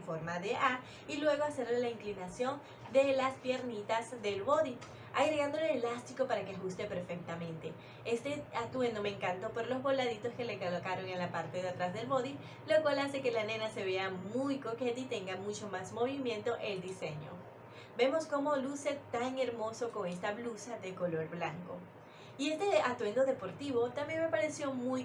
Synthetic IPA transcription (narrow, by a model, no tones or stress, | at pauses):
ɱfo̞ɾmaðe̞ʔa | ilwe̞ɣo̞ase̞ɾlelaiŋklinasjo̞n | d̪e̞laspje̞ɾnit̪azðe̞lβo̞ði | aɣɾeɣand̪oleelast̪iko̞paɾake̞xust̪e̞pe̞ɾfe̞k̚t̪amẽ̞nt̪e̞ | e̞st̪e̞at̪uenome̞ːŋkant̪o̞po̞ɾlo̞zβo̞laðit̪o̞ske̞lekolokaɾo̞ŋenlapaɾt̪e̞ðat̪ɾazðe̞lβo̞ði | lo̞kwalase̞ke̞lane̞nase̞βe̞amujko̞ket̪it̪e̞ŋɡamut͡ʃo̞mazmo̞β̞imjẽ̞nt̪o̞ʔe̞ld̪ise̞ɲo̞̰ | be̞mo̞sko̞mo̞luse̞t̪aŋe̞ɾmo̞so̞ko̞ŋe̞st̪aβlusaðeko̞lo̞ɾβlaŋko̞̰ | ie̞st̪e̞at̪we̞nd̪oðe̞po̞ɾt̪iβo̞t̪ambje̞nme̞paɾe̞sjo̞muj